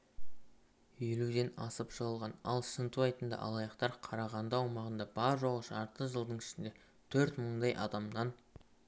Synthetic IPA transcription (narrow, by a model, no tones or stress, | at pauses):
elud̪e̞nɑsəpʒəʁəlˠʁɑnɑlˠsənt̪uɑjt̪ənd̪ɑ̰ʔɑ̰lˠɑjəqt̪ɑɾqʰɑɾɑʁɑnd̪ɑwmɑʁənd̪ɑbɑɾʒoʁəʃɑɾt̪əʒəlˠd̪əɴɪʃɪnd̪e̞ | t̪ʰɵɾt̪məɴd̪ɑjʔɑd̪ɑmd̪ɑn